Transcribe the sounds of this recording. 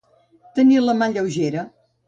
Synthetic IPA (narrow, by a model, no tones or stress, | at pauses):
t̪əniləmaʎəwʒeɾə